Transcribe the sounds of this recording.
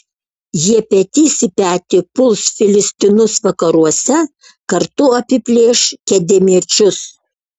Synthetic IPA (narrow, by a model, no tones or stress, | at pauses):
jiɛpʲɛt̪ʲiːsʲɪpʲæːt̪ʲɪpʊlˠsfʲɪlʲɪsʲt̪ʲɪnʊsʋɐkɐɾuɔsʲɛ | kɐɾt̪ʊɐpʲɪpʲlʲeːʃkʲɛd̪ʲɛmʲiɛt͡ʃʲʊs